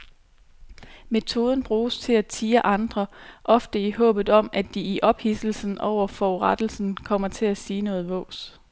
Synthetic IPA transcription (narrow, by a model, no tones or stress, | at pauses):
me̝t͡sʰo̝ːð̞ˠən̩b̥ʁuːst͡sʰe̝læt͡sʰiːɐʔɑ̈nd̥ʁɐʔɒ̽fd̥əiɦɔ̰̽ːb̥ð̩ˠɒ̽mʔæd̥iiʔɒ̽b̥hisl̩sn̩ʔɒʊ̰ɐfɒːuʁad̥l̩sn̩kʰɒ̽m̰ɐt͡sʰe̝læsiːnɔ̽ːð̞̩ˠʋɔ̰̽ːs